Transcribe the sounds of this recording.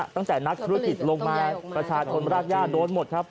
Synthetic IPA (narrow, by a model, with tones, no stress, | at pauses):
t̪a˥˩ŋt̪ɛː˨˩na˦˥k̚t̪ʰu˦˥ɐ˥˧ki˨˩t̪̚lo˧ŋmaː˧pɾa˧t͡ɕʰaː˧t͡ɕʰo˧nɾaː˥˩k̚jaː˥˩t̪̚doː˧nmo˨˩t̪̚kʰa˦˥p̚